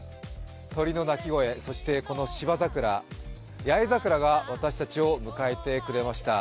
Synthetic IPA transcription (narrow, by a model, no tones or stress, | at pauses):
t̪o̞ɾʲino̞nakʲiɡo̞e̞so̞ɕi̥t̪e̞ko̞no̞ɕibazakɯ̟ɾa | jaizakɯ̟ɾaɡaβat̪aɕi̥t̪at͡ɕio̞mɯ̟kae̞t̪e̞kɯ̟ɾe̞maɕi̥t̪a